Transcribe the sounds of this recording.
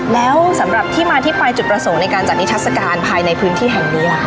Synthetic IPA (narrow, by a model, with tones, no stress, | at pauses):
lɛː˦˥wsa˩˦mɾa˨˩p̚t̪ʰiː˥˩maː˧t̪ʰiː˥˩pa˧jt͡ɕu˨˩t̪̚pɾa˧so˨˩˦ŋna˧jkaː˧nt͡ɕa˨˩t̪̚i˦˥t̪ʰt̚sa˧kaː˧npʰaː˧jna˧jpʰɯː˦˥nt̪ʰiː˥˩ɦɛ˨˩ŋniː˦˥˩